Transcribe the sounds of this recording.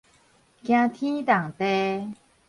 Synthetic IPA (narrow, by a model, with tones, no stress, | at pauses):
kj̃ã˧t̪ʰĩ˦t̪a˨˩ŋt̪e˧